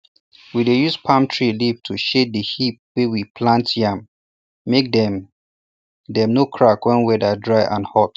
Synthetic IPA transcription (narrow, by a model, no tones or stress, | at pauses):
widejuspʰãmtʰɹilivtʰuʃet̚dəhip̚wewipʰlãntʰjãm | mek̚dɛm | dɛ̃mnokʰɹakwɛ̃nwɛdadɹaɪʔãnhɔt